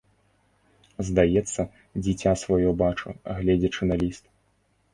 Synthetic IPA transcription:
zd̪ajɛt̪sːɐ | d͡zʲit͡sʲasvajɔbat͡ʂua̰ɣlʲɛd͡zʲɐt͡ʂɨnalʲist̪

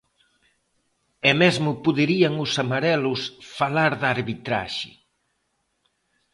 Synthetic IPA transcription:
ɛmɛzmʊpuðeɾiaŋʊsamaɾɛlʊsfalaɾðaɾβit̪ɾa̰ʃɪ̰

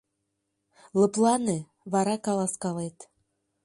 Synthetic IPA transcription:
lə̆plˠɑne | βɑɾɑkɑlɑskɑlet̪

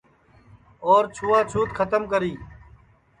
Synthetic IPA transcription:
oːɾt͡ʃʰuːaːt͡ʃʰuːt̪kʰət̪əmkəɾiː

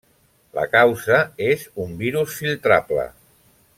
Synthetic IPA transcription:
lə̰kawzəezumbiɾusfilˠt̪ɾaplə̰

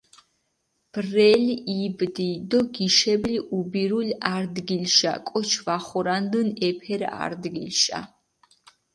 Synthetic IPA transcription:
b̥rɛliʔibd̪id̪ɔɡiʃɛbliʔubiɾulaɾd̪ɡilʃa̰kʼɔt͡ʃʰvaχɔɾand̪ənɛpʰɛɾa̰ɾd̪ɡilʃa̰

